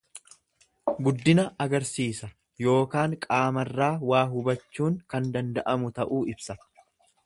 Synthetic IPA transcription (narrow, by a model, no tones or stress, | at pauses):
ɡʊd̪ːɪnɐɐɡɐɾsiːsɐ | jo̞ːkaːŋkʼaːmɐrːaːwaːɦʊbɐt͡ʃːuːŋkɐnd̪ɐnd̪ɐʔɐmʊt̪ɐʔuːɪbsɐ